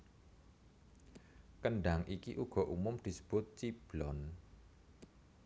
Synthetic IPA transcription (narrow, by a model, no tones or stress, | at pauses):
kənɖaŋʔikiʔuɡ̥ɔ̤ʔumʊmd̪̥i̤sə̥b̥ʊt̪̚t͡ʃib̥lɔn